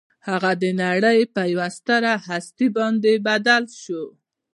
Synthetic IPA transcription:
haɣad̪ənaɽəjpajwast̪aɾahast̪ibɑnd̪ebad̪alʃo

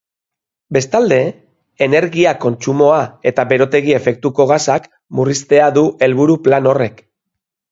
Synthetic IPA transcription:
be̞st̪ald̪e̞ː | ne̞ɾɣiako̞nt͡sumo̞ae̞t̪aβe̞ɾo̞t̪e̞ɣ̞ie̞fe̞k̚t̪uko̞ɣasak | murist̪e̞aðuʔe̞lβuɾuplano̞re̞k

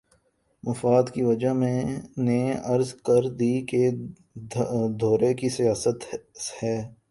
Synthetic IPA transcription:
mɐfaːd̪kiʋɐd͡ʒaɦmẽneɐɾzkɐɾd̪iːke | d̪ʱoːɾekisijaːsət̪hɛː

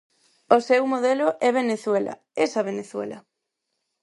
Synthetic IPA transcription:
osewmoð̞eloʔɛβ̞eneθwelʔɐ̰ | esɐβeneθwḛlɐ̰

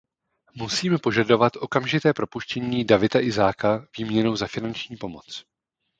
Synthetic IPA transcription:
musiːmɛpo̞ʒado̞vat̪ʔo̞kamʒɪt̪ɛːpɾo̞puʃcɛɲiːdavɪt̪aʔɪzaːkaviːmɲɛnowzafɪnant͡ʃɲiːpo̞mot͡s

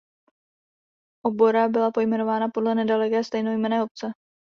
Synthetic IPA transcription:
ʔobo̞ɾabɪlapo̞jmɛno̞vaːnapo̞dlɛnɛdalɛkɛːst̪ɛjnojmɛnɛːop̚t͡sɛ

